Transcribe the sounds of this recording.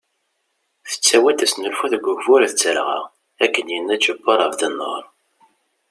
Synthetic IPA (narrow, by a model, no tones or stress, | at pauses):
θə̥t͡sːæwæt̪æsnəlfuθðəɡʷːʊvʊɾθət͡sːəɾʁa̰ | ækːənjənːæt͡ʃːəbːɑɾˤəvd̪ənːə̰ɾˤ